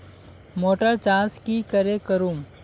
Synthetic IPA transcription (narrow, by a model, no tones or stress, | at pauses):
moːʈəɾt͡ʃãːskikəɾekəɾum